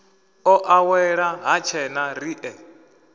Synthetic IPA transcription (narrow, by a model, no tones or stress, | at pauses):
ɔʔawɛɺaɦat͡ʃʰɛnariʔɛ